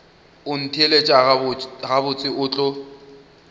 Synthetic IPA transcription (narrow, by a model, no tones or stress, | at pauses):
ʊn̩tʰielet͡ʃʼaɣʊɣabʊt͡sʼɪʔʊːt͡ɬʼʊ